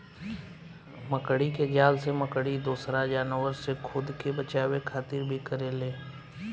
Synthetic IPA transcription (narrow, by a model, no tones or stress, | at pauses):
məkɽiked͡ʒaːlseməkɽid̪oːsɾad͡ʒaːnəwəɾsekʰʊd̪kebət͡ʃaːwekʰaːt̪ɪɾbʱikəɾeleː